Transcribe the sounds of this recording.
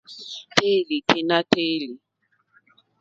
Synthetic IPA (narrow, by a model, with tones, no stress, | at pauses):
te˦li˨tʰe˦na˦te˦li˨